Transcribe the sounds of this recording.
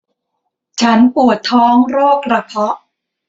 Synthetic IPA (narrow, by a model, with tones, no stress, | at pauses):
t͡ɕʰa˦˥npu˨˩ət̪ʰːɔː˦˥ŋɾoː˥˩k̚ɾa˧pʰɔ˦˥ʔ